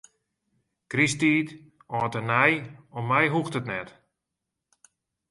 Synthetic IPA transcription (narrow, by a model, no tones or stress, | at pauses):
kristiːt | ɔːtənɛjɔmːɛjɦuxtətnɛt